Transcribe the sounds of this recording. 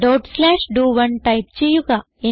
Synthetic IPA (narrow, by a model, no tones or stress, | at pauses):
ɖoʈslaːʃɖuːʋɐnʈɐjp̚t͡ʃejuɡa | e